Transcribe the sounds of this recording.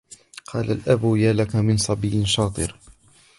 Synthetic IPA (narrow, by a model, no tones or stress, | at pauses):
qʰɑːlalʔabjaːlakamɪnsˤɑbijʃɑːt̪ˤɨ̰ɾ